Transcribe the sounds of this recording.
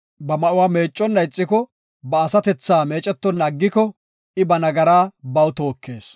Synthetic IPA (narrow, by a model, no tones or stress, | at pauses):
bɐmɐʔʊwaːme̞ːt͡ʃʼːɔnːɐɪt͡sʼːɪkɔ | bɐːsɐt̪ɛt͡sːaːme̞ːt͡ʃʼɛt̪ːɔnɐɡːɪkɔ | ʔɪbɐnɐɡɐɾaːbɐwt̪o̞ːkːe̞ːs